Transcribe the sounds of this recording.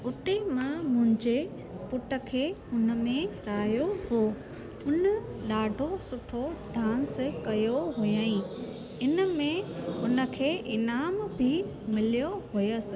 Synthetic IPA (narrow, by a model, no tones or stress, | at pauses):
ʊt̪emãmʊ̃ɦɪ̃ɲd͡ʑe | pʊʈə̆kʰeːʊnə̆mẽɾaːjohoː | ʊnəɗaːɖʱosʊʈʰoɖʱãːnskɐjoɦʊjəĩ | ɪnəmẽʊnə̆kʰeːʔɪnaːmbʱɪ | mɪlijoɦʊjəsɪ̆